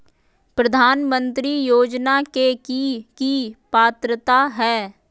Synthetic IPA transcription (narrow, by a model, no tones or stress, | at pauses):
pɾəd̪ʱaːnmə̃nt̪ɾijoːd͡ʒnakekikipaːt̪ɾət̪aɦɛː